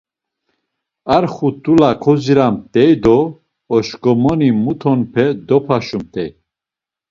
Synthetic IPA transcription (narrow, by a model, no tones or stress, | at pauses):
aɾχut̪ʼulakʰɔziɾamt̪ʼɛjd̪ɔː | ʃkɔmɔnimut̪ʰɔnpʰɛd̪ɔpʰaʃumt̪ʰʼɛj